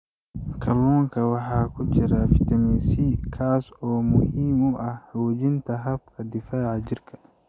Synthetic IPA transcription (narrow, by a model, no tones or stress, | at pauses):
kʰɐlɔːŋkʰɐwɑħɑːkʰʊt͡ʃɪɾɐfɪt̪ʰɐmisikʰaːsɔːmʊhiːmʊʔɐhhwoːt͡ʃɪnt̪ʰɐɦɐbkʰɐd̪ɪfaːʕɑt͡ʃɪrkʰɐ̥